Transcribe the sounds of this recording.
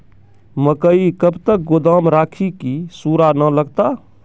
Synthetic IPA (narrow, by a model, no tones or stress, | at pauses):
məkəikəbt̪ək̚ɡod̪amɾakʰikisuɾanələɡt̪a